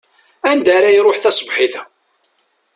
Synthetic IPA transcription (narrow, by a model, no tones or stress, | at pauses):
ænd̪aɾæjɾˤʊħθæsˤbħiθ